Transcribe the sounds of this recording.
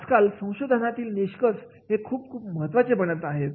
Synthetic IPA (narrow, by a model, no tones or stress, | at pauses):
d͡zkalsə̃w̃ɕod̪ʱənat̪iːlniɕkəɾs | ɦekʰuːp̚kʰuːp̚məɦət̪ʋat͡sepəɳət̪aɦet̪